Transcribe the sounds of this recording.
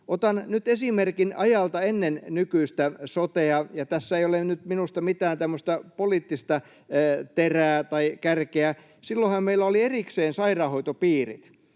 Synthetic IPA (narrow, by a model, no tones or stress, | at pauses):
ʔot̪ɑnnyt̪esimerkinɑjɑlt̪ɑenːennykyist̪æsot̪eɑjɑt̪æsːæeijolenyt̪minust̪ɑmit̪æːnt̪æmːøst̪ɑpoliːt̪ːist̪ɑː | t̪eræːt̪ɑikærkeæ | silːohɑmmeilːˑæolierikseːnsɑirɑːhoit̪opiːrḭt̪